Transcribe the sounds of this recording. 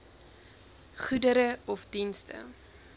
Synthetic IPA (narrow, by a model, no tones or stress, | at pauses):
χudəɾəɔfdinstə̰